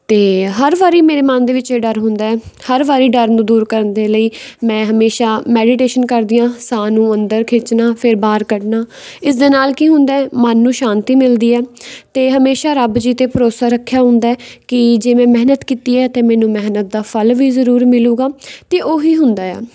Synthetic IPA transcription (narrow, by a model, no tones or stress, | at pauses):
t̪eːɦəɾʋaːɾiːmeːɾeːmãːnd̪eːʋɪt͡ʃeɖəɾɦʊ̃nd̪aːɛːhəɾʋaːɾiːɖəɾnũːd̪uːɾkəɾənd̪eːləiːmɛ̃ːɦəmeːʃaːmɛːɖɪʈeːʃənkəɾd̪iːãːsaːnũːənd̪əɾkʰɪt͡ʃnaːpʰɪɾbaːɾkəʈnaːɪs̬d̪eːnaːlkiːɦʊ̃nd̪aːɛːmənːũːʃaːnt̪iːmɪld̪iːɛːt̪eːɦəmeːʃaːɾəbd͡ʒiːt̪eːpəɾoːsaːɾəkʰːjaːɦʊ̃nd̪aːɛːkɪd͡ʒeːmɛ̃ːmɛɦnət̪kiːt̪iːɛːt̪eːmɛ̃ːnũːmɛɦnət̪̚d̪aːpʰəlʋiːzəɾuːɾmɪluːɡaːt̪eːʔoːɦiːɦʊnd̪aːɛ̰ː